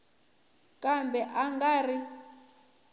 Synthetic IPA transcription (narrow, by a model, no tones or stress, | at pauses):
kʼambɛʔaŋɡari